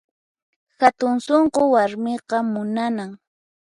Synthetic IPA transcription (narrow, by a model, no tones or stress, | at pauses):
xat̪ʊnsoɴqowaɾmɪqɑmʊnanaŋ